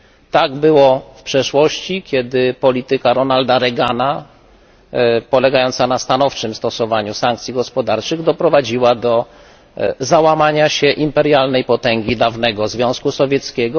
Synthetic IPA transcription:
t̪aɡbɘwɔfpʂɛʂwɔɕt͡ɕikʲjɛd̪ɘpɔlʲit̪ɘkaɾɔnald̪aɾɛɡana | pɔlɛɡajɔnt̪sanast̪anɔft͡ʂɘmst̪ɔsɔvaɲusaŋk̚t̪sʲjiɡɔspɔd̪aɾt͡ʂɘɣd̪ɔpɾɔvad͡ʑiwad̪ɔ | zawamaɲaɕɛʔimpɛɾjalnɛjpɔt̪ɛŋɡʲid̪avnɛɡɔzvʲjɔ̃w̃skusɔvʲjɛt̪skʲɛɡɔ

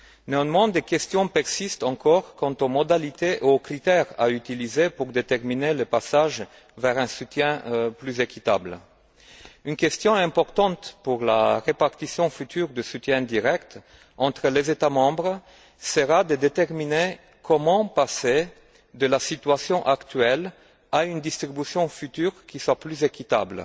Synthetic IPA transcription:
neɔ̃nmɑ̃d̪ekɛst̪jɔ̃pɛʁsist̪ɑ̃kɔʁkɑ̃t̪omɔd̪alit̪eʔuokʁit̪ɛʁa̰yt̪ilizepuʁd̪et̪ɛʁmineləpasaʒ | vɛʁɛ̃sut̪jɛ̃plyzekit̪a̰bl | ynkʲɛst̪jɔ̃ɛ̃pɔʁt̪ɑ̃t̪puʁla̰ʁepaʁt̪isjɔ̃fyt̪yʁd̪əsut̪jɛ̃d̪iʁɛkt̪ | ɑ̃t̪χəlezet̪amɑ̃bʁ | səʁad̪əd̪et̪ɛʁmine | kʰɔmɑ̃pase | d̪əlasit̪ɥasjɔ̃ʔakt̪ɥɛl | aynd̪ist̪ʁibysjɔ̃fyt̪yʁkʲiswaplyzekit̪a̰bl

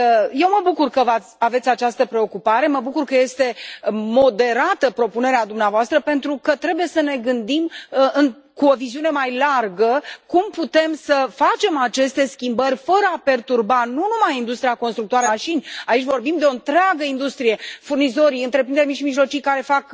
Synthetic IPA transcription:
je̞wməbukurkəvat̪sʲave̞t̪sʲat͡ʃast̪əpɾe̞o̞kupaɾe̞məbukurkəje̞st̪e̞mo̞d̪e̞ɾat̪əpɾo̞pune̞ɾead̪umneavoast̪ɾəpe̞nt̪ɾukət̪ɾe̞buje̞səne̞ɡɨnd̪imɨn | kuo̞viziune̞majlarɡəkumput̪e̞msəfat͡ʃe̞mat͡ʃe̞st̪e̞skʲimbərʲfəɾəape̞rt̪urbanunumajind̪ust̪ɾijako̞nst̪ɾuk̚t̪oaɾəʃinʲait͡ʃʲvo̞rbimd̪e̞o̞ɨnt̪ɾeaɡəind̪ust̪ɾije̞furnizo̞ɾiɨnt̪ɾe̞pɾind̪eɾmiʃimiʒlo̞t͡ʃijkaɾe̞fak

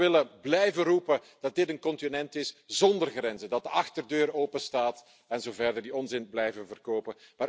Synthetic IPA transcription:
ɪləblɛjvərupəd̥ɑt̚dɪtənkɔntinɛntɪsz̥ɔndərɣɾɛnzədɑt̚dəɑxtərdøːɾoːpəstaːt | ɛnzoːvɛrdərdiɔnzɪnblɛjvənvərkoːpəmaːɾ

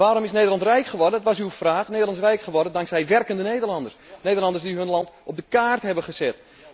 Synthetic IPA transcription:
ʋaːɾomɪsnejdərlˠɑntrɛjkχəʋɔrdəətʋasywfraːχneːdəlɑns̬rɛjkχəʋɔrdəndɑŋksɛjʋɛrkəndənejdərlɑndərsnejdərlɑndəsdiɦɵnlɑntʔɔb̚dəkaːrtɦɛbəχəsɛɪt

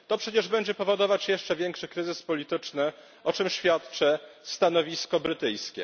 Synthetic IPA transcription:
t̪ɔpʂɛt͡ɕɛʐbɛɲd͡ʑɛpɔvɔd̪ɔvat͡ɕjɛʂt͡ʂɛvʲjɛŋkʂɘkɾɘzɘspɔlʲit̪ɘt͡ʂnɘ | ɔt͡ʂɘmɕfʲjat̪t͡ʂɛst̪an̪ɔvʲiskɔbɾɘt̪ɘjskʲɛ̰

